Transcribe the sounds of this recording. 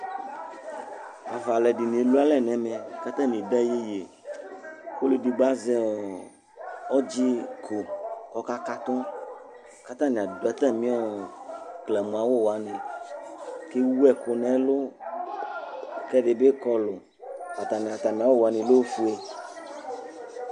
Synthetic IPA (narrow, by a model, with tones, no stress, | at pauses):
a˨va˨lɛ˨ɖi˨nẽ˨lu˦a˦lɛ˨nɛ̃˨mɛ̃˨ka˦t̪ã˦mĩ˨ɖɛ˦je˦je˨ | ko˦le˨ɖi˨ɡ͡ba˦zɛ˦˨ | ɔ˦d͡ʑi˦kʰo˨kɔ˦ka˦ka˦t̪ɔ̃˦ | ka˦t̪ã˦nĩ˨a˨do˨ɛ˦t̪ã˦mĩ˦ɔ˦ | klɛ˨mũ˨a˨wo˦wa˨nɛ̃˨ | ke˦wu˦ɛ˨ko˨nɛ̃˦lo˦ | kɛ˦ɖe˨be˦kɔ˦lo˨ | a˨t̪a˨nɛ̃˨a˨t̪a˨mĩ˨a˨wo˦wo˨a˨nĩ˨lo˦o˦fu˦e˦